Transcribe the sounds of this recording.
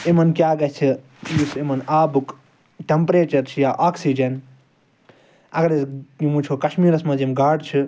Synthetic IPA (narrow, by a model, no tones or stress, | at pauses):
emɐnkjaːɡɐt͡ʃʰi | jisemɐnaːbuk | ʈempɾeːt͡ʃɐɾt͡ʃʰijaːʔaːksiːd͡ʒɐn | ɐɡɐɾesimut͡ʃʰoːkɐʃmiːɾɐsmãːd͡ʒimɡaːɖt͡ʃʰi